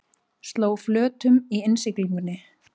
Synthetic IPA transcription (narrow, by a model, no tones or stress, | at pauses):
st̪loːwflœːt̪ʏmiɪnsɪkliŋkʏnːɪ